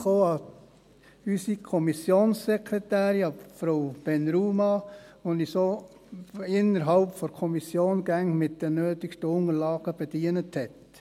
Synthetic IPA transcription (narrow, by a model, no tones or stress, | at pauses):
χoːɑ | ysikʰɔmisjoːnsːɛkʰɾɛtæːɾiɑfɾowb̥ɛnɾuːmɑʋonisoː | ɪnːəɾɦɑlpfɔɾkʰɔmisjoːnɡ̥æŋmɪt̚d̥ənøːtɪkʃtəʊŋəɾlɑːɡ̥əb̥ɛd̥iːənəthɛt